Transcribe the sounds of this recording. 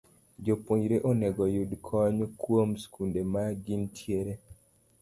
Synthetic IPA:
d͡ʒopoɲɾeʔonɛɡɔjudkʰɔɲkwomskundemaɡintʰjeɾe

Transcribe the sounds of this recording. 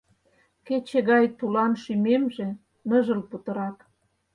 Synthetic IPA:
ket͡ɕeɣɑjt̪ulɑnʃymemʒe | nə̆ʒə̆lput̪ə̆ɾɑk

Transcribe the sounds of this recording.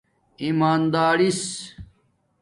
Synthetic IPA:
imaːnd̪aːɾis

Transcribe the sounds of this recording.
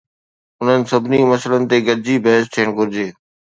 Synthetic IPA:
ʊn̤ənɪ̆sɐbnimɐsələnɪ̆t̪eɡəɾd͡ʑibɐɦɪst̪ʰiːəɽ̃ɡʊɾɪd͡ʑeː

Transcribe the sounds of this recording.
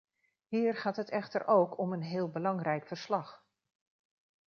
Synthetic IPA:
hiːrχaːtɦətɛχtəɾʔowkʰɔmənɦɪːlˠbəlɑŋrɛjkfəɹslɑχ

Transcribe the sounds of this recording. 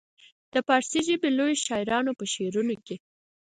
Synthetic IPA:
d̪̥əpɑɾsiʒəbelojeʃɑɪɾɑnopəʃeɾunoke

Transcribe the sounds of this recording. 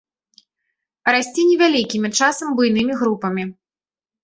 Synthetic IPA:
ɾasʲt͡sʲinʲɛvʲalʲikʲimʲit͡ʂasɐmbujnɨmʲiɣɾupɐmʲi

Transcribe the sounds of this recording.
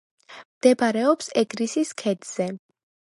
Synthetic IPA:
md̪̥ɛbaɾɛɔpsɛɡɾisiskʰɛd̪z̥ɛ

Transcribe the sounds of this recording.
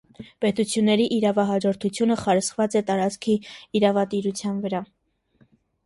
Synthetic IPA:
pɛt̪ut͡sʰjunːɛɾiʔiɾɑvɑɦɑd͡ʒɔɾt̪ʰut͡sʰjunəχɑɾəsvɑt͡sɛt̪ɑɾɑt͡skʰiːɾɑvɑt̪iɾut͡sʰjɑnvəɾɑ

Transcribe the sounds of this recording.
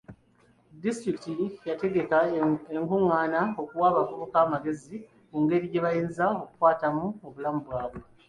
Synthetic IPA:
distɾiktijate̞ɡe̞kaeŋkuŋːaːnao̞kuwaːβavuβokaːmaɡe̞zi | kuŋɡe̞ɾije̞βajeːnzao̞kukwaːtamuo̞βulamuβwaːβwe

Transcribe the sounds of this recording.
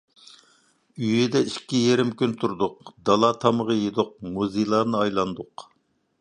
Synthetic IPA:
yjid̪ɛiʃkʲʰːijeɾɪmkʲynt̪ʰuɾd̪ʊqd̪ɑlˠɑt̪ʰɑməʁəjed̪ʊq̚muzilˠɑːnɨɑjlˠɑnd̪ʊq

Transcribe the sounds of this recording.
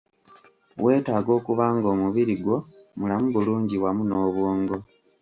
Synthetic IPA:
we̞ːtaːɡo̞ːkuβaːŋɡo̞ːmuβiɾiɡwo̞mulamuβuluːɲɟiwamuno̞ːβuːŋɡo̞

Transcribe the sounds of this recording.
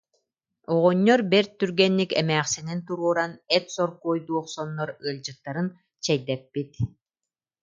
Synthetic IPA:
ɔʁɔɲːɔɾbɛɾt̪yɾɡɛnːikɛ̰mæːχsinint̪uɾuɔɾanɛt̪sɔɾkuːjd̪uɔχsɔnːɔɾɯɐld͡ʑɯt̪ːaɾɯn | t͡ɕɛjd̪ɛpːit̪

